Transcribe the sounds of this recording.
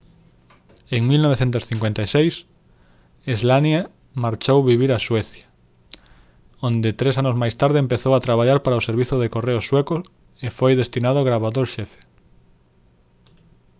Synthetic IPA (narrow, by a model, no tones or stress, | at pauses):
eŋmilnɔβ̞eθent̪ʊsθiŋkwent̪ajsejs | izlanja | maɾt͡ʃowβiβiɾaswɛθjḁ | õnd̪ɪt̪ɾesanʊzmajst̪aɾðeempeθowat̪ɾaβaʎaɾpaɾaoseɾβiθʊðekoreʊswɛkʊ | efojðest̪inað̞ʊɣɾaβaðoɾʃɛfe̥